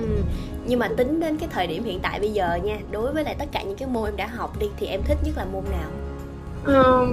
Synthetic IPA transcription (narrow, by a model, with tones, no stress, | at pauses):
ʔɨ˨˩ | ɲɨ˧ŋmaː˨˩t̪ï˨˦ŋ̟ɗe˨˦nkaː˨˦jt̪ʰəː˨˩jɗi˧˩əmhḭ˧˨ənt̪a̰ː˧˨jɓə˧jzəː˨˩ɲaː˧ɗo˨˦jvəː˨˦jla̰ː˨˩t̪ə˦˥t̚kaː˧˩ɲɨ̰˧˥ŋkaː˨˦jmo˧ʔɛ˧mɗa̰ː˧˥ɦa˨˩wk͡p̚ɗi˧t̪ʰi˨˩ʔɛ˧mt̪ʰï˦˥k̟̚zə˦˥t̚laː˨˩mo˧mnaː˨˩w | ʔəː˨˩